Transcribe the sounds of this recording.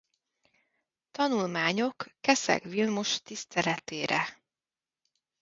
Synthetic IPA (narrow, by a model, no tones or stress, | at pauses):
t̪ɒnulmaːɲo̞kːɛsɛ̰kvilmuʃt̪ist̪ʰɛlɛt̪eːɾɛ̰